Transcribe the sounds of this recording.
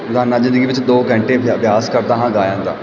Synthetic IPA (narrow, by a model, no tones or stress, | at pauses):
d̪ʱaːnːaːd͡ʒɪ̃nd̪əɡiːʋɪt͡ʃd̪oːkɛ̃ːɳʈeːbbjaːskəɾd̪aːɦãːɡaːjãːnd̪aː